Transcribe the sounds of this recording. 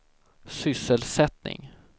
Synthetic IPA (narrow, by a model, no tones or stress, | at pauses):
sʏsːəlsɛt̪nɪ̰ŋ